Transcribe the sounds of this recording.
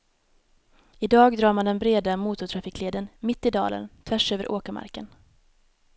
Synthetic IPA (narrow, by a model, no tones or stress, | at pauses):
ɪd̪ɑːɡd̪ɾɑːɾmand̪ɛnbɾeːd̪amuːt̪ʊt̪ʰɾafiːkleːd̪ənmɪt̪ːɪd̪ɑ̰ːlʔə̰nt̪ʰvæʂøːvə̰ɾʔoːkəɾma̰ɾkən